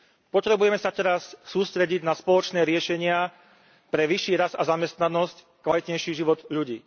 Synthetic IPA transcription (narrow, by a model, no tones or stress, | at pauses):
pɔt̪ɾɛbujɛmɛsat̪ɛɾassːuːst̪ɾɛɟiɟnaspɔlɔt͡ʃnɛːɾɪɛʃɛɲɪa | pɾɛʋiʃiːɾazazamɛst̪nanɔsc | kʋalit̪ɲɛjʃiːʒiʋɔd̪ʎuɟḭː